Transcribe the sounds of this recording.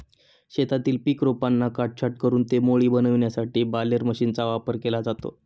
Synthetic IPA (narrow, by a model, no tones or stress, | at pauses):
ɕet̪at̪iːlpikɾopanːakaʈ̚t͡ɕʰaʈ̚kəɾuːnt̪emoɭiːbənəʋɳjasaʈiːbaləɾməɕiːnt͡saʋapəɾkelad͡zat̪o̰